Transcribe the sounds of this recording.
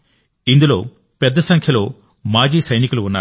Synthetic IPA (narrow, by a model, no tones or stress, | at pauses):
ind̪ulo̞ː | pɛd̪ːɐsɐŋkʰjɐlo̞ː | maːd͡ʒiːsɐjnikuluunːaː